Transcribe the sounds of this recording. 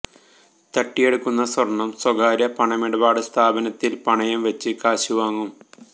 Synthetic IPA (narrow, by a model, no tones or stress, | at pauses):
t̪ɐʈːije̞ɽukːunːɐswɐrɳːɐmswɐɡaːɾɐpɐɳɐmiɽɐbaːɽɨst̪ʰaːbɐnɐt̪ːilpɐɳɐjɐmʋɐt͡ɕːɨkaːɕuʋaːŋːum